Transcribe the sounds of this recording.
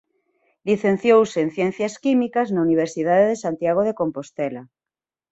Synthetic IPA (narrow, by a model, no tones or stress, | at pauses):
liθẽn̟θjowsen̟θjẽn̟θjaskimikaznauniβ̞eɾsiðaðeðesant̪jaɣ̞oð̞ekompost̪ela